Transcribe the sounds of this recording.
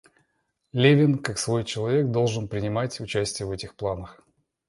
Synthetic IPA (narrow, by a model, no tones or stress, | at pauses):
lʲevʲɪnkaksvo̞jt͡ɕɪlˠɐvʲe̞k̚d̪o̞lˠʐɨnpɾʲɪnʲɪmatʲʊt͡ɕæsʲtʲɪjəvɛtʲɪxplˠanəx